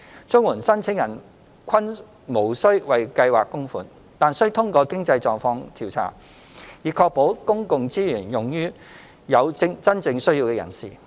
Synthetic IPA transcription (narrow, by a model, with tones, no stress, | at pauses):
t͡sʊ˥ŋwuː˨˩nsɐ˥nt͡sʰɪ˨˥ŋjɐ˨˩n | kʷʰɐ˥n | mo˨˩wsɵ˥ɥwɐ˨jkɐ˧jwaː˨kːʊ˥ŋfuː˨˩n | t̪aː˨nsɵ˥ɥt̪ʰʊ˥ŋkɔː˧kɪ˥ŋt͡sɐ˧jt͡sɔː˨ŋfɔː˧ŋt̪ʰiː˨˩wt͡sʰa̰ː˨˩ | jiː˨kʰɔː˧k̚po˨˥wkʊ˥ŋkʊ˨ŋt͡siː˥jyː˨˩njʊ˨˩ŋjyː˥ | jɐ˨˧wt͡sɪ˥ŋt͡sɐ˥nt͡sɪ˧ŋsɵ˥ɥjiː˧wkɛ˧jɐ̰˨˩nsḭː˨